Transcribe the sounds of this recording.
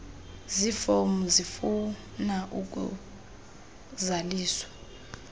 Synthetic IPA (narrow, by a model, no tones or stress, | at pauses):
zifomuzifu | naʔuk̬ṵ | zaliːswḁ